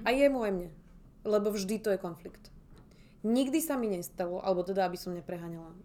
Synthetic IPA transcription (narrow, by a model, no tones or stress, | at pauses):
ajɛmuajmɲɛ | lɛbɔvʒd̪it̪ɔjɛkɔnflikt̪ | ɲiɡd̪isamiɲɛst̪alɔʔa̰lɛbɔt̪ɛd̪aabisɔmɲɛpɾɛɦaːɲala